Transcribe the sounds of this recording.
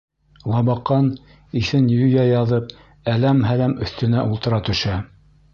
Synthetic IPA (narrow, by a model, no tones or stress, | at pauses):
lˠɑbɑqːɑn | iθɘnjɵjæjɑðɤp̚ | ælæmɦælæmɵ̆θt̪ɵ̆næʔulˠt̪ɤ̆ɾɑt̪ɵ̆ʃæ